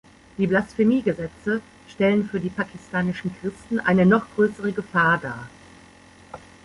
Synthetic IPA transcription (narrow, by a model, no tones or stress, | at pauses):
d̥iːblasfemiːɡəzɛt͡sə | ʃtɛlənfyːɐdiːpakʰɪstʰaːnɪʃn̩kʁ̥ɪstn̩ʔa̰ɪnənɔχɡ̥ʁøːsəʁəɡəfaːɐdaːɐ